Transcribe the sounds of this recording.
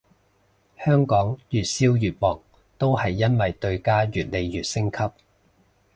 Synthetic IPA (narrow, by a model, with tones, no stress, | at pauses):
hœː˥ŋkɔː˨˥ŋjyː˨t̚siː˥wjyː˨t̚wɔː˨˩ŋ | t̪o˥whɐ˨jːɐ˥nwɐ˨jt̪ɵ˧ɥkaː˥ɥyː˨t̚le˨jjyː˨t̚sɪ˥ŋkʰɐ˥p̚